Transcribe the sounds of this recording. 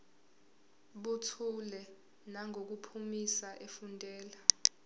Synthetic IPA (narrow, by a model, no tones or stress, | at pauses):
ɓutʰulɛ | naŋʱok̬upʰumisaʔefundʱʼɛːla